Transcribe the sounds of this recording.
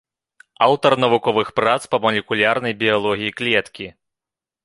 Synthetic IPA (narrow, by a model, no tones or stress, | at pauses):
awt̪ɐrnɐvukɔvɨxpɾat̪spɐmɐlʲɛkulʲarnɐjbʲijalˠɔɣʲijiklʲɛt̪kʲi